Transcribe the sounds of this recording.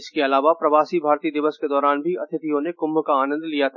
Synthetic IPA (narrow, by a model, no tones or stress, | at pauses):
ɪskeɐlaːʋapɾɐʋaːsibʱaːɾt̪id̪ɪʋəsked̪ɔːɾaːnbʱiɐt̪ʰɪt̪ijõnekʊmːkaaːnə̃nd̪ʱlijat̪ʰa